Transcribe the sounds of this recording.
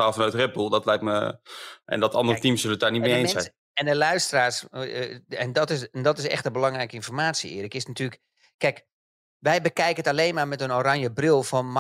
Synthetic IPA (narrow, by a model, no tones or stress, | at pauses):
aːlˠfɔnœɥtrɛt̚bulˠdɔtlɛjk̚məʔɛ̰ndɔtɑ̰ndərətimsøləətdaːrnit̚mejejnsɛ | ɛndəlœɥstəraːs | ɛndɔtɪsndɔtɪsɛ̰xtəbəlɑŋrɛjkəinfɔrmaːtsjiɪ̰ərəkɪsnatyːlək | kːɛjk | ʋɛjbəkɛjkəətaleːnmaːrmɛtənoɾanjəbrɪlˠfɔnm